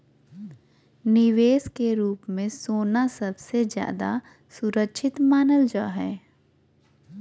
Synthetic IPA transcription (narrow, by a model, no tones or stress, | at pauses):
nɪʋeːskeɾuːpmẽsoːnasɐbsezja̰ːd̪a̰ | sʊɾəkʃʰɪt̪maːnəld͡ʒaːɦɛː